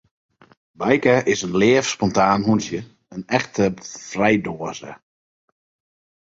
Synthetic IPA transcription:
bajkəʔɪsənlɪːəfspɔntaːnɦunsjə | ənɛxtʰəfrɛjdoəzə̰

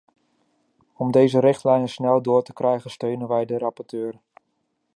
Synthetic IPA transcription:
ɔmdejzəɾɪχtlɛjnəsnɛlˠdʊːɹtə̥krɛjχənstøɥnənʋɛjdəɾɑpɔɹtøːr

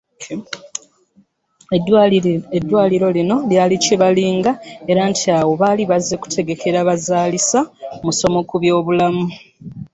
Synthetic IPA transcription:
edːwaːliɾo̞lino̞ljaːliciβaliːŋɡae̞ɾantʰiawo̞βaliβaze̞ku̥tʰe̞ɡe̞ke̞ɾaβazaːlisamuso̞mo̞kuβjo̞ːβulamu

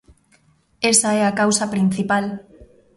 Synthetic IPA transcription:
esaɛakawsapɾin̟θipal

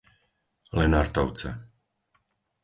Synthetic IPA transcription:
lɛnaɾt̪ɔʊt͡sɛ̰

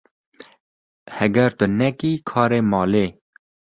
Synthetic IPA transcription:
hɛɡɛɾt̪ʊnɛkiːkʰɑːɾeːmɑːleː

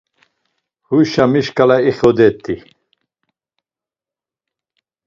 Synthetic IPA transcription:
huʃamiʃkʰʼalaiχɔd̪ɛt̪ʼːi

